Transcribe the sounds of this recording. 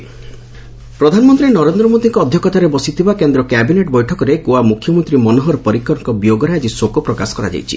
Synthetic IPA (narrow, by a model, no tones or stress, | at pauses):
pɾɔd̪ʱanɔmɔnt̪ɾinɔɾend̪ɾɔmod̪iŋkɔːd̪ʱjɔkɔt̪aɾebɔsit̪ʰibakend̪ɾɔkɛbineʈbɔjʈʰɔkɔɾekoamukʰjɔmɔnt̪ɾimɔnoɦɔɾɔpɔɾikːɔɾŋkɔbjoɡɔɾead͡ʒisokɔpɾɔkasɔ̥kɔɾa̰d͡ʒa̰jt͡ʃʰḭ